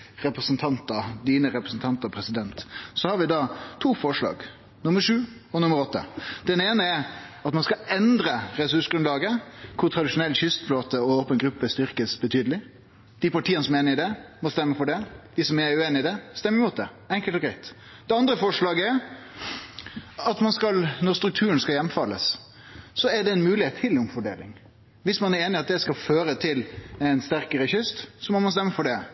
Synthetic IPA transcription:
ɾɛpɾəsənt̪ʰɑnt̪əd̪iːnəɾɛpɾəsnt̪ʰɑnt̪əpʰɾɛsɪd̪ɛnt̪sɔhɑɾʋɪd̪ɑːt̪ʰuːfɔʂɭɑ̰ːɡ | nʊməʂʉː | ɔnʊməɾɔt̪ːə̰d̪̥ɛneːnəɛɾɑt̪mɑnskɑɛnd̪ɾəɾɛsʉʂɡɾʉnd̪lɑːɡəkʰʊɾt̪ʰɾɑd̪ɪʂʊnɛlːɕʏst̪floːt̪əɔoːpənɡɾʉpːəst̪ʏɾkəsbət̪ʰyːd̪əlɪ | d̪̥ɪpɑʈʰiːənəsɔmeːnəɪd̪ɛmɔst̪ɛmːəfɔɖɛd̪̥ɪsɔmɛæʉeːnɪd̪ɛst̪ɛmːɪmuːt̪̚d̪ɛ | ɛŋkəlt̪ɔɡɾæɪt̪ | d̪̥ɛɑnd̪ɾəfɔʂlɑːɡəæʁ | ɑt̪mɑnskɑlnɔʁst̪ɾʉk̚t̪ʰʉːɾənskɑljɛmfɑlːəs | sɔæʁɖɛɛnmʉːlɪheːt̪ʰːɪlʊmfɔɖḛːlɪ̰ŋ | ʋɪsmɑnæɾeːnɪɑt̪̚d̪ɛskɑføːɾət̪ʰɪlɛɪnst̪æɾkəɾəçʏst̪sɔmɔmɑnst̪ɛmːəfɔɖɛ

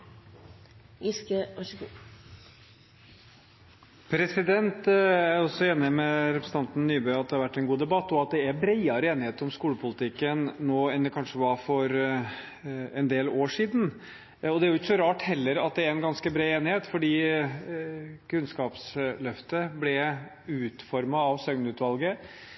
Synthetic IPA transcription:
ɪskəɔʃku | pʰɾɛsɪd̪ɛnt̪æɾɔsːɔeːnɪmɛɾɛpɾəsn̩ɑnt̪n̩nyːbœʏɑt̪̚d̪ɛhɑɾʋæʈːɛnɡuːd̪ɛbɑt̪ːɔɑt̪̚d̪ɛæɾbɾeɪɑɾəeːnɪheːt̪əɾɔmskuːləpʰʊlɪt̪ʰɪkːənnoːɛnd̪ɛkʰɑnʂəʋɑfɔɾ | ɛnd̪eːloːʂiːd̪n̩ | ɔd̪ɛæɾjʊɪçə̥sɔɾɑːʈhɛlːəɾɑt̪̚d̪ɛæɾɛnɡɑnskəbɾeɪeːnɪheːt̪fɔɖiː | kʰʉnskɑːpslœft̪əblɛ | ʉːt̪fɔɾmɑɑʋsœŋnʉːt̪ʋɑlɡə

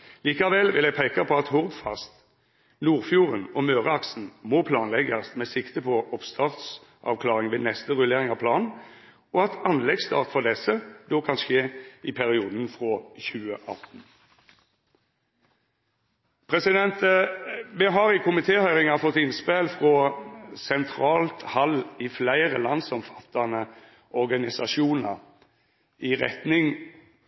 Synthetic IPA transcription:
liːkɑʋɛlʋɪ̰læɡpʰeːkɑpʰɔɑt̪hʊʁd̪fɑ̰st̪ | nuːʁfjuːʁənɔmøːʁəɑksn̩moːpʰlɑːnlɛɡɑsmeːsɪkt̪əpʰɔʔɔpst̪ʰɑːʁt̪s | ʔɑ̰ʋkʰlɑːʁɪŋʋeːnɛst̪əʁʉleːʁɪŋɑʋpʰlɑːn | ɔɑt̪ʰɑnlɛɡst̪ɑ̰ːʁt̪fɔʁd̪ɛsəd̪oːkʰɑnʃeːɪpʰæʁɪuːd̪n̩fʁoːçʉːəʔɑ̰t̪n̩ | pʰʁɛsɪd̪ɛnt̪ | mɛɦɑʁɪkʰʊmɪt̪ʰeːhœʏʁɪŋɑfɔt̪ːɪnspelfʁɔsɛnt̪ʰʁɑːlt̪hɑliflæɪʁə̰lɑnsɔmfɑ̥t̪ːɑnə | ɔʁɡɑnɪsɑʃuːnɑʁ | iʁɛ̰t̪nɪŋ

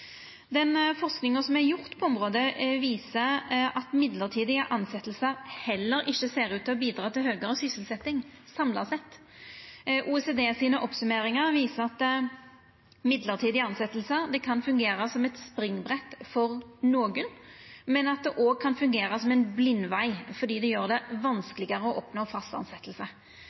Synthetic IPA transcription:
d̪ɛnfɔʁsknɪŋəsɔmæɾjʊɾt̪pʰɔɔmʁoːd̪əʋiːsəɑt̪mɪd̪ləʁt̪ʰiːd̪ɪəʔɑnsɛt̪ːəlsəɾhɛlːəɾɪçːəseːɾʉːt̪ʰːɪlɔbiːd̪ɾɑːt̪ɪlhøːɡəɾəsʏsəlsɛt̪ːɪŋsɑmlɑsɛt̪ː | ʔuːɛseːd̪eːsiːnəʔɔpsʉmeːɾɪŋəʁʋiːsəɑt̪ː | mɪd̪ləʁt̪ʰiːd̪ɪɑnsɛt̪ːəlsəɾd̪ɛkʰɑnfʉŋɡeːɾəsɔmɛt̪spɾɪŋbʁɛt̪ːfɔɾnoːɡənmɛnɑt̪̚d̪ɛʔoːɡ̚kʰɑnfʉŋɡeːɾɑsɔmɛnblɪnːʋæɪfɔd̪iːd̪ɛjøːʁd̪ɛʋɑnskəlɪɡəʁəɔʔɔpnoːfɑst̪ɑ̰nsɛt̪ːəlsə

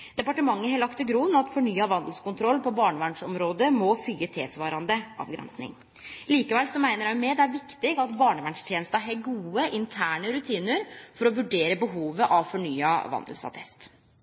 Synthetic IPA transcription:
d̪̥ɛpɑʈəmɑŋːəhelɑkt̪ɪɡɾunɑt̪fɔɳyːɑʋɑnd̪l̩skʊnt̪ʰɾɔlːpɔbɑːɳəʋæɳʂɔmɾoːd̪əmɔfyːət̪ʰḛːsʋɑːɾɑnd̪əʔɑ̰ːʋɡɾɛ̰nsnɪ̰ŋ | liːkəʋɛlsɔmæɪnəɾhɑmeːd̪æɾʋɪkt̪ɪɡɑt̪bɑːɳəʋæɳʂt̪ʰjeːnəst̪æɦeɡuːəʔɪnt̪ʰæːɳəɾʉt̪ʰiːnəɾfɔɾɔʋʉɖeːɾəbəɦuːʋəʔɑʋfɔɳyːɑʋɑ̰nd̪əl̩sɑ̰t̪ʰɛst̪

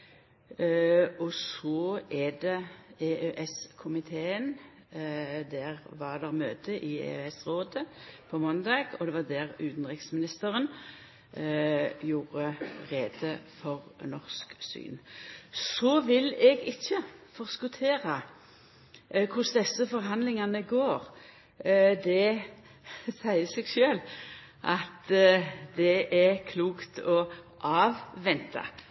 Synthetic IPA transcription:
ɔsɔɛd̪ɛeːʔøʔɛskʰʊmɪt̪ʰeːən | d̪æʁʋɑʁd̪ɛʁmøːt̪əʔɪḛːøːɛsʁoːd̪əpʰɔmɔnd̪ɑːɡɔd̪ɛʋɑd̪æʁʉːt̪nʁɪksmɪnɪst̪əɾən | juːɾəʁeːd̪əfɔʁnɔʁsksy̰ːnsɔʋɪlɛɡɪçːəfɔʁskʊt̪ʰeːʁə | kʰʊsd̪ɛsːəfɔʁɦɑnd̪lɪŋɑnəɡoːʁ | d̪ɛ | sæɪəseːɡʃøːl | ʔɑt̪ | d̪ɛʔæʁkʰluːkt̪ʰɔ | ʔɑːʋʋɛnt̪ʰɑ̰

